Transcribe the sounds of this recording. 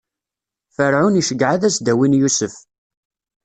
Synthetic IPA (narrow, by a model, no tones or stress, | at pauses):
fəɾʕuniʃəɡːʕaðæsd̪æwinjusəf